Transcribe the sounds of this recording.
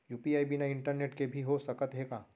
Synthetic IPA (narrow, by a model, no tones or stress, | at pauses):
juːpiaːibinaɪ̃ɳʈəɾneːʈkebʱiɦosɐkət̪ɦeːɡaː